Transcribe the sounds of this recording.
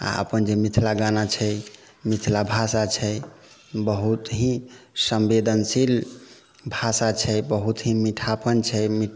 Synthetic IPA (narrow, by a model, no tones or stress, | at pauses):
a̰ə̰pənd͡ʒemit̪ʰlaɡanat͡ʃʰɛ | mit̪ʰlabʱasat͡ʃʰɛ | bəɦut̪ɦĩsəmbed̪ənsil | bʱasat͡ʃʰɛjbəɦut̪ɦĩmiʈʰapənt͡ʃʰɛmi